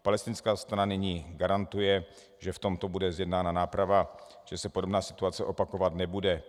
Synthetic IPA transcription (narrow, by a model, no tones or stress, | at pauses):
palɛst̪ɪnskaːst̪ɾananɪɲiːɡaɾant̪ujɛ | ʒɛft̪omt̪o̞budɛzjɛdnaːnanaːpɾava | ʒ̥ɛsɛpodo̞bnaːsɪ̥t̪uat͡sɛʔopakovat̪nɛbudɛ